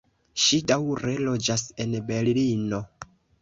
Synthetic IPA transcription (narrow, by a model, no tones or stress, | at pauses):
ʃidawɾe̞lo̞d͡ʒase̞nbe̞llino̞